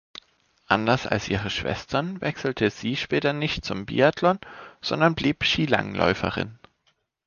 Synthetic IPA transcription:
ʔandɐsa̰lsʔiːʁ̞əʃv̥ɛ̰stʰɐnvɛksl̩tʰəz̥iːʃpɛːtɐnɪçtt͡sʊmbḭatʰlɔnz̥ɔndɐnbliːpʃiːla̰ŋlʔɔ̰ʏfə̰ʁɪ̰n

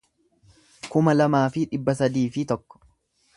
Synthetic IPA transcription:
kʊmɐlɐmaːfɪᶑɪbːɐsɐd̪iːfɪt̪ɔkːɔ̥

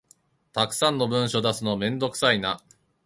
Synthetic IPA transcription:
t̪akɯ̥sãnːo̞bɯ̟̃ɰ̃ɕo̞d̪asɨno̞mẽ̞nd̪o̞kɯ̟̥saina

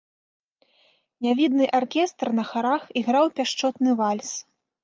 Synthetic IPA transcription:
nʲavʲid̪nɨʔarkʲɛst̪rnɐxaɾaxiɣɾawpʲaʂt͡ʂɔt̪nɨvalʲs

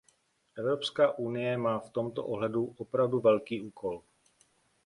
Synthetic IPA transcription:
ʔɛvɾo̞pskaːʔunɪjɛmaːft̪o̞mt̪o̰ʔoɦlɛduʔopɾavduvɛlkiːʔuːkʰol

